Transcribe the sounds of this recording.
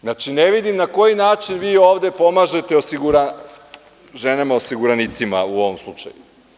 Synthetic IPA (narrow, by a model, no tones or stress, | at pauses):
znat͡ʃineʋid̪imnako̞jinaːt͡ʃinʋiːo̞ːʋd̪e̞po̞maʒe̞t̪e̞osiɡuɾa | ʒenamao̞siɡuɾanit̪sima̰uo̞ʋomslˠut͡ʃa̰ju